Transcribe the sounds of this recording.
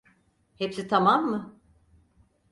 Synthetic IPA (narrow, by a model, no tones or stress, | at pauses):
hepsit̪ʰamamːɯ